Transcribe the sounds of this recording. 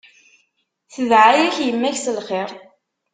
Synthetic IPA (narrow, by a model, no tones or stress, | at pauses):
θəðʕajæçjəmːæçsəlχeʁ